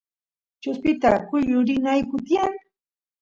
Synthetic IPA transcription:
t͡ʃʊspɪt̪akʊʎʊɾɪnajkʊt̪jaŋ

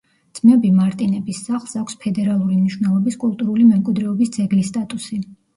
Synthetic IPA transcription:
d̪z̥mɛbimaɾt̪ʼinɛbisːaχlˠsakʰʷspʰɛd̪ɛɾalˠuɾimniʃwnɛlˠɔbiskʼulˠt̪ʼuɾulimɛmkʼwid̪ɾɛɔbisd̪zɛɡlist̪ʼat̪ʼusi

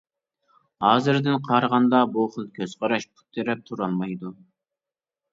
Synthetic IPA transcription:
hɑːzɨɾd̪ɪnqʰɑɾʁɑnd̪ɑboχəlˠkʲʰøz̥qɑɾɑʃpʰu̥t̪ʰːɪɾɛp̚t̪ʰuɾɑlˠmɑjd̪u

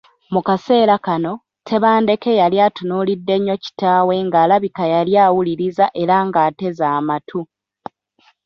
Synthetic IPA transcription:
mukase̞ːɾakano̞ | tʰe̞βaːnde̞ke̞jaljaːtunulidːe̞ɲːo̞ci̥taːwe̞ŋɡaːlaβikajaljaːwuliɾizaʔe̞ɾaŋɡaːte̞zaːmatʰu

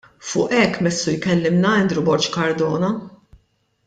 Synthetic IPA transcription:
fʊːʔɛkːmɛsːujkɛlːɪmnɐɛnd̪ɾubɔɾt͡ʃkɐɾd̪ɔːnɐ

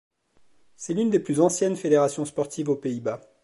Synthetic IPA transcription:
sɛlynd̪eplyzɑ̃sjɛnfed̪eʁasjɔ̃spɔʁt̪ivopeiba

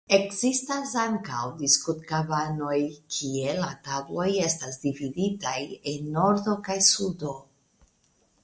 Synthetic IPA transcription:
e̞kzistasaŋkawdiskut̪kabano̞jkʰie̞latablo̞je̞stasdividitajenːo̞ɾdo̞kajsudo̞

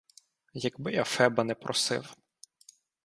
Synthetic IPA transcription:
jɐɡbɪɐfɛbɐnɛpɾɔsɪ̰w

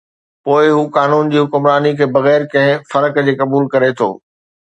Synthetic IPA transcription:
poːɪɦuːkaːnuːnd͡ʑiːɦʊkʊmɾaːnikʰeːbɐɣɛːɾkɐ̃ɦɪ̃fɐɾəkd͡ʑeːkɐbuːlkɐɾet̪ʰo̰ː

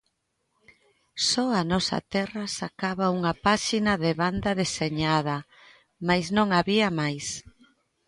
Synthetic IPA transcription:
sɔanɔsɐ̰t̪ɛrɐsakaβauŋɐpaʃinɐðɪβand̪ɐðeseɲaðɐ | majsnõŋaβiɐmajs

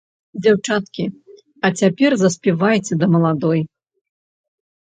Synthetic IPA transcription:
d͡zʲawt͡ʂat̪kʲi | ɐt͡sʲapʲɛrzɐsʲpʲivajt͡sʲɛd̪ɐmɐlˠad̪ɔj

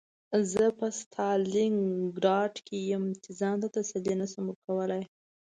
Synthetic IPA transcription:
zəpəst̪ʰɑliŋɡɾɑʈkʰejəmt͡ʃezɑnd̪at̪asalenasaməɾkawəlaj

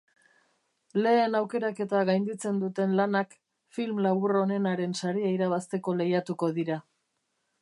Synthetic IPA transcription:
le̞ːnawke̞ɾake̞t̪aɣajnd̪it͡se̞nd̪ut̪e̞nlanak | filmlaβuro̞ne̞naɾe̞nsaɾiaiɾaβ̞ast̪e̞ko̞le̞jat̪uko̞ðiɾa

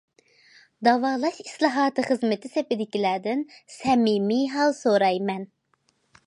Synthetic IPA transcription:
d̪ɑvɑːlˠɑʃislˠɑɦɑːt̪ʰɨχəzmɪt̪ʰɪsepɪd̪ɪkʲilæɾd̪ɪnsɛmimiɦɑlˠsoɾɑjmɛn

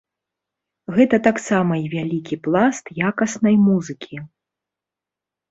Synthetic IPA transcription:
ɣɛt̪ɐt̪aksamɐivʲalʲikʲiplˠast̪jakɐsnɐjmuzɨkʲʰi

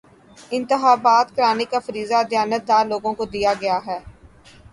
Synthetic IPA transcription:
ɪ̃nt̪ɪxaːbaːt̪kɾaːnikafɐɾiːzad̪jaːnət̪̚d̪aːɾloːɡõkod̪ijaɡɐjaɦɛː

